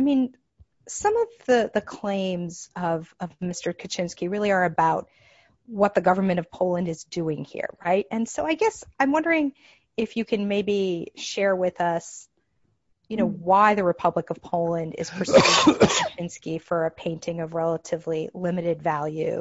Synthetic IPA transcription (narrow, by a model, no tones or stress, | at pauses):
aɪmĩn | sʌ̃mʌvðɨðɨkʰl̥ẽɪ̃mzʌvʌvmɪstə˞kʰɨt͡ʃʰɪ̃nskiɹɪlˠiə˞ɨbaʊt̚ | wʌt̪̚ðɨɡʌvə˞mɨ̃ɾ̃ʌv̥pʰoʊlˠɨ̃ndɨzdʉɪ̃ŋhḭɹɹaɪt̚ɨ̃nsoʊaɪɡɛsãɪ̃mwʌ̃ndə˞ɪ̃ŋ | ɪfjɨkʰɨ̃nmeɪbiʃɛɹwɪðʌs | jɨñoʊwaɪðɨɹɨpʰʌbləkʌv̥pʰoʊlˠɨ̃ndɪ̰z̥pʰə˞ | ɨt͡ʃʰɪ̃nskifə˞ɨpʰẽɪ̃ntʰɪ̃ŋʌvɹɛlˠəɾɨvlilɪ̃mɨɾɨdvælˠjʉ̰